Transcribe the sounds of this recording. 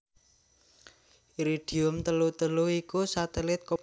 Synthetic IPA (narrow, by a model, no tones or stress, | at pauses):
iɾiɖ̥i̤ʊmt̪əlut̪əluikusat̪ɛlɪt̪̚k